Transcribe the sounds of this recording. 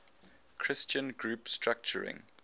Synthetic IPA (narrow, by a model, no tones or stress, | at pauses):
kʰɹ̥ɪst͡ʃə̃nɡɹupstɹak̚t͡ʃə̰ɹɪ̰̃ŋ